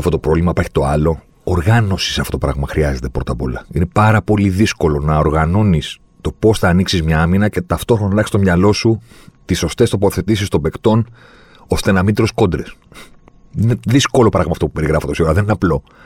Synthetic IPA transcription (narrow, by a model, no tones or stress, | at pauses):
ɐft̪ot̪o̞pɾovlimɐpɐɾçi̥t̪o̞ɐlo̞ː | ɾɣɐno̞si̥sɐftot̪opɾɐɣmɐxɾiɐze̞t̪e̞pɾo̞t̪ɐpo̞̰lɐine̞pɐɾɐpo̞liðisko̞lo̞nɐoɾɣɐno̞nis | t̪o̞po̞sθɐːniksizmɲɐɐminɐce̞t̪ɐft̪oxɾonɐnɐxkst̪omɲɐlo̞sut̪iso̞st̪e̞st̪o̞po̞θe̞t̪isist̪o̞be̞kt̪o̞n | o̞st̪e̞nɐmind̪ɾo̞sko̞d̪ɾes | ine̞ðisko̞lo̞pɾɐɣmɐːft̪o̞p̚u̥pe̞ɾiɣɾɐfot̪osioɾɐðe̞nineɐplo̞